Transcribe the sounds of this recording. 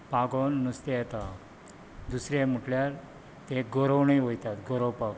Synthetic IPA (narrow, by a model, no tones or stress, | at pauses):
paɡonːust̪ejɛt̪a | d̪usɾjem̤əʈljaɾ | t̪eɡoɾəwɳiʋojt̪at̪ɡoɾəwpak